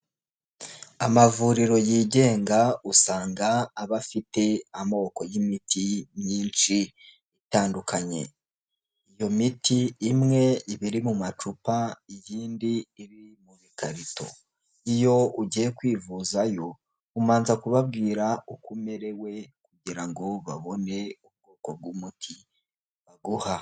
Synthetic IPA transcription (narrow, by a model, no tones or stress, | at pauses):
a̰mavuːɾiɾo̞jiːɟe̞ːŋɡausaːŋɡaːβafite̞amooko̞jimitʰimɲiːnt͡ʃi | itaːndukʰaɲe̞̰ | ijo̞mitʰiːmŋe̞iβiɾimumat͡ʃupaijiːndiːɾimuβikʰaɾito̞̰ | ijo̞uɟijekwiːvuzajo̞ | umaːnzakuβabɡiːɾaukume̞ɾe̞we̞kuɟiɾaŋɡo̞βaβo̞ne̞ub̚ɡo̞ːko̞b̚ɡumutʰi | βaɡuha